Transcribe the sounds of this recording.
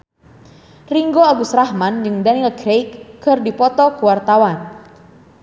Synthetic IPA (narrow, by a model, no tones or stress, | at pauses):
riŋɡoaɡusrahmand͡ʒɨŋdanilɡɾejkːɨrdipɔt̪ɔkuwart̪awan